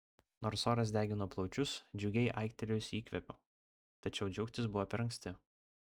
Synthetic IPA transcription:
noːɾsoːɾɐs̬d̪ʲæːɡʲɪnoːplˠɒʊt͡ʃʲʊsd͡ʒʲʊɡʲɛɪʔɐɪkt̪ʲɛlʲɛjʊsiːkʋʲɛpʲoː | t̪ɐt͡ʃʲɛʊd͡ʒʲʊkt̪ʲɪs̬bʊʋɔːpʲɛɾɐŋʲksʲt̪ʲɪ

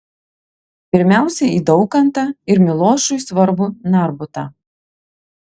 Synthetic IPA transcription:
pʲɪɾʲmʲæˑʊsʲɛiːd̪ɒʊkɐnt̪ɑɪɾmʲɪlˠoːʃʊjsʋɐɾbʊnɑɾbʊt̪ɑ̰ː

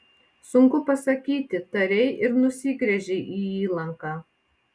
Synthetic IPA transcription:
sʊŋkʊpɐsɐkʲiːt̪ʲɪt̪ɐɾʲɛɪʔɪɾnʊsʲɪɡɾʲɛʒʲɛɪʔiːiːlˠɐŋkɑː

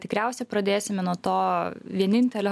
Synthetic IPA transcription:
t̪ʲɪkɾʲæˑʊsʲɛpɾɐd̪ʲeːsʲɪmʲɛnuɔt̪oːʋʲiɛnʲɪnʲt̪ʲɛlʲo

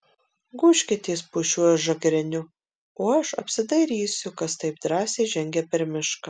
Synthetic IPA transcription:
ɡʊːʃʲkʲɛt̪ʲeːspʊʃʲuɔjɛʒɐɡɾʲɛnʲʊ | oːɐʃɐ̰pʲsʲɪd̪ɐɪɾʲiːsʲʊkɐst̪ɐɪp̚d̪ɾɑːsʲeːʒʲɛŋʲɡʲɛpʲɛɾmʲɪʃkɐ

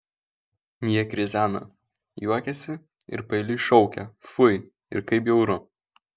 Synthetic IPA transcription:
mʲiɛkɾʲɪzʲæːnɐ̰ | juɔkʲɛsʲɪ | ɪ̰ɾpɐɪlʲɪʃɔʊkʲɛ̰fʊɪ | ɪ̰ɾkɐɪp̬jɛʊɾʊ

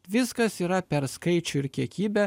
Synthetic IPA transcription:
ʋʲɪskɐsiːɾɐpʲɛɾskɐɪt͡ʃʲʊɪɾkʲiɛkʲiːbʲɛ

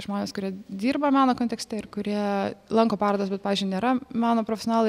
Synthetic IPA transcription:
ʒmoːnʲeːskʊɾʲiɛd̪ʲiːrbɐmʲɑːnoːkont̪ʲɛksʲt̪ʲɛɪɾkʊɾʲiɛlˠɐŋkoːpɑːɾoːd̪oːsbʲɛt̪pɑːʋʲizʲd͡ʒʲʊɪnʲeːɾɐmʲɑːnoːpɾofʲɛsʲonɑːlˠ

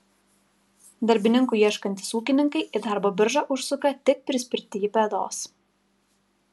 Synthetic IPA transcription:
d̪ɐɾʲbʲɪnʲɪŋkuːiɛʃkɐnʲt̪ʲɪ̥suːkʲɪnʲɪŋkɐɪʔɪd̪ɑˑɾboːbʲɪɾʒɑʔʊʃsʊkɐt̪ʲɪk̚pʲɾʲɪsʲpʲɪɾʲt̪ʲɪjipʲɛd̪o̰ːs

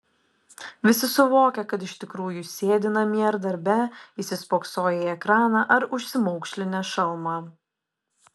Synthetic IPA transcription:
ʋʲɪsʲɪsʊʋoːkʲɛkɐt̪̬ɪʃʲt̪ʲɪkɾuːjusʲeːd̪ʲɪnɐmʲiɐɾd̪ɐɾʲbʲɛisʲɪspoːksoːjɛɛkɾɑːnɑʔɐɾʊʃʲsʲɪmɔʊkʃʲlʲɪnʲɛʃɐlˠmɑ

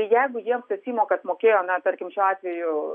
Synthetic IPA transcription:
jɛɪɡʊjiɛmt̪ɐsʲiːmoːkɐt̪moːkʲeːjoːnɐt̪ɐɾʲkʲɪmʃʲɑːt̪ʲʋʲɛjʊ

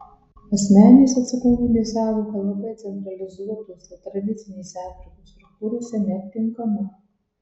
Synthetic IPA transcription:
ɐsʲmʲæːnʲeːsɐt̪sʲɐkonɡʲuːd̪ʲeːsʲæːd̪ʲoːkɐlˠɐbɐjt̪sʲɛnt̪ɾɐlʲɪzuɔt̪oːsʲɛt̪ɾɐd̪ʲɪt̪sʲɪnʲeːsʲɛɑːfʲɾʲɪkoːst̪ɾʊk̚t̪uːɾoːsʲɛnʲɛːt̪̚ʲt̪ʲɪŋkɐmʊ

